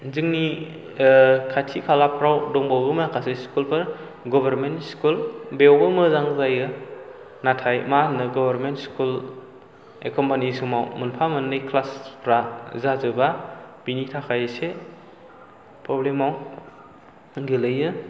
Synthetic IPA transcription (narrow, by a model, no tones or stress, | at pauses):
zɯŋni | kʰajtʰikʰalapʰɾawdɔŋbawɡɯmakʰaseskulpʰɯɾ | ɡɔbaɾmentskulbewbɯmɯzaŋzajɯ | natʰajmanɯɡɔbaɾmentskul | ḛkɔmpanisumawmunpʰamɯnːɯjkʰlaspʰɾazazɯbab̥initʰakʰajse | pʰɾɔblemaw | ɡɯlɯjɯ